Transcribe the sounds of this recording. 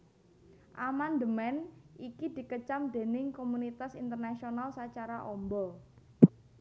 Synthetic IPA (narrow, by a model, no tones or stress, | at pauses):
ʔamand̪əmɛnʔikid̪̥i̤kət͡ʃamd̪̥e̤nɪŋkomunit̪asint̪ərnasionalsat͡ʃaɾaʔɔmbɔ